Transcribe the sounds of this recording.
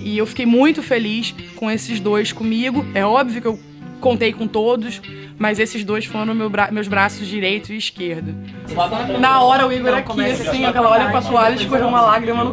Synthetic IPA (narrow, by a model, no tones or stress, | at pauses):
ɪewfi̥kejmũj̃t̪ʊfeliskõesɪzd̪ojskõmiɡʊɛɔbviʊkɪew | kõnt̪ejkõt̪od̪ʊs | mɐzesɪʒd̪ojsfoɾɐ̃mewbɾamewzbɾasʊzd͡ʒiɾejt̪ʊɪiʃkeɾd̪ʊ | nɐɔɾɐʊiɡɛɾɐkisĩɐkɛlɐɔɾɐpɾɐt̪ualɐɪʃkoɦewũmɐlaɡɾimɐnʊ